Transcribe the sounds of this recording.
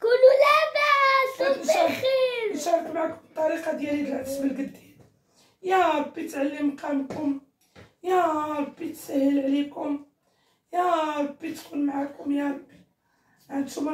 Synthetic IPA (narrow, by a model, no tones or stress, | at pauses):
kʊlulæbæ | ʃiɾʃɑɾˤfmaʕakʊmbt̪ˤːɑɾiqɑd̪jaɾid̪laʕsbəlɡəd̪ːi | jæb̥it̪ʕalːəmqæmkʊm | jæbit̪sæhːəlʕlikʊm | jæb̥it̪kuːnmaʕakʊmja | ʕand̪ʃʊm